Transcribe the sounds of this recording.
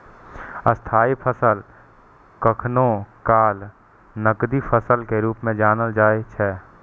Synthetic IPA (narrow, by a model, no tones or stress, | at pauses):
əst̪ʰaːipʰəsəl | kəkʰnõkaːl | nəkd̪ipʰəsəlkeɾuːpmẽd͡ʒaːnəld͡ʒaːet͡ʃʰɛː